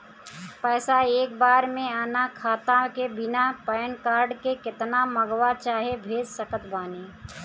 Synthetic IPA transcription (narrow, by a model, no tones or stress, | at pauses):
pɛːsaeːk̚baːɾmẽaːnakʰaːt̪ãkebɪnapəːjnkaːɾɖkekɪt̪naməɡʋat͡ʃaːɦebʱeːd͡ʒsəkət̪baːneː